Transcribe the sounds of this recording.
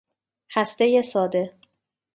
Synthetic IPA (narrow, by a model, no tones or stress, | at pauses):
hæst̪ejesɒːd̪e̞